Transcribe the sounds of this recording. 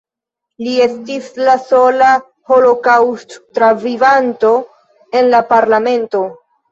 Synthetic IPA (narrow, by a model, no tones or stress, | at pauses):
lie̞stislaso̞la | ho̞lo̞kawsttːɾavivanto̞ | e̞nlapaɾlame̞nto̞